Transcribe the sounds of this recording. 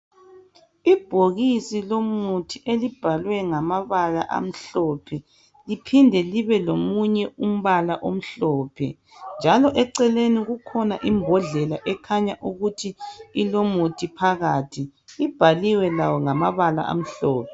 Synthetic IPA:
ib̥ʱoɣisilomutʰiʔelib̥ʱalwɛŋamaβalaʔa̰m̩ɬɔpʰɛ | lipʰindʱɛliβɛlomuɲɛum̩βalaʔom̩ɬɔːpʰɛ̰ | nd͡ʒʱalɔʔɛǀɛleniɣukʰɔnaʔimbʱɔɮɛlaʔɛkʰaɲaʔuɣutʰiːlomutʰipʰaɣaːtʰiːb̥ʱaliwɛlawɔŋamaβala̰ʔa̰m̩ɬɔːpʰɛ

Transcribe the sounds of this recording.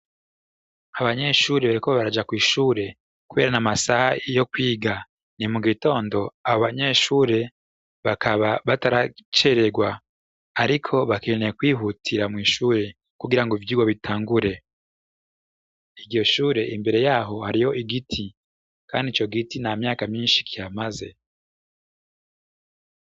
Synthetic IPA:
aβaɲe̞ʃuːɾeβaɾikoβaɾad͡ʒakwiːʃuːɾe̞ | kuβe̞̰ːɾanamasahajo̞kwiːɡa | nimuɡito̞ːndo̞aβoβaɲe̞ʃuːɾe̞ | βakʰaβaβataɾat͡ʃe̞ɾe̞ɡwaː | ɾikʰo̞βakenekwiːɦutʰiɾamŋiːʃuːɾe̞ | kuɡiɾaŋɡoivjiːɡwaβitʰaːŋɡuɾe̞ | iɟɟjo̞ʃuːɾe̞ʔimbe̞ɾe̞jaːɦo̞haɾijo̞ʔiɡitʰi | kaːndit͡ʃo̞ɡitinamjaːkamɲiːnʃi̥kʰijamaze̞

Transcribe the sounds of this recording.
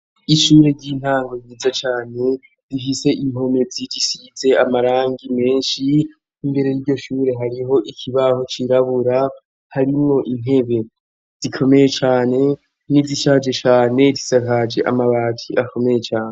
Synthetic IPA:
iʃuːɾe̞ɾɟin̥haːŋɡojiːzat͡ʃaːne̞ | difise̞ʔim̥ho̞mevid͡ʒisize̞amaɾaːŋɡime̞ːnʃiː | mbe̞ɾe̞jiɾɟo̞ʃuːɾe̞ɦaɾiɦo̞ʔikʰiβaho̞t͡ʃiɾaβuɾa | haɾimŋo̞ʔin̥he̞βe̞ | z̥ikʰo̞me̞je̞t͡ʃaːne̞ | niziʃad͡ʒe̞t͡ʃaːne̞disakad͡ʒe̞ʔa̰maβatʰiʔako̞me̞je̞t͡ʃaːne

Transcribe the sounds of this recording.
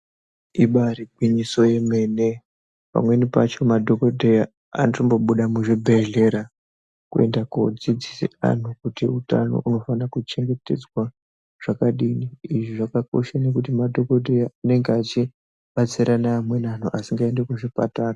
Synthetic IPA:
iɓaɾiɡʱwiɲiso̞je̞me̞ne̞ | pa̰mwe̞nipat͡ʃo̞madʱo̞kodʱeja | a̰nrombo̞ɓuɗamuʐibʱeɮe̞ɾa | kue̞̰ndakod͡zid͡zisḭa̰n̤ukutiuta̰no̰ʔuno̞fanakut͡ʃe̞ŋɡe̞te̞̰d͡zwa | ʐ̥akaɗiniiʐiʐakako̞̰ʃane̞k̬utimadʱo̞ko̞dʱejaane̞ŋɡeat͡ʃi | ɓat͡siɾanaːmwe̞nan̤uʔasiŋɡaendekuʐipataːra

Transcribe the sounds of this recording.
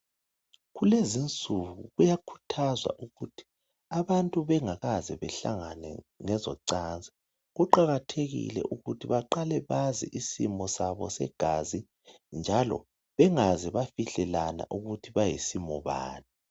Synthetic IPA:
ɣulezint͡sʼuɣuɣujakʰu̥tʰazwa̰ʔuɣutʰi̥ | aβantʼuβɛŋaɣazɛβɛɬa̰ŋanɛ̰ŋɛzɔǀand͡zʱɛ | ɣuǃaɣatʰeɣḭlɛ̰ʔuɣutʰiβaǃalɛβazḭʔisḭmɔsaβɔ̰sɛ̰ɡ̥ʱazi | nd͡ʒʱalɔ̰ | βɛŋazɛβafiɬɛlana̰ʔuɣutʰiβajisimɔβa̰ːna

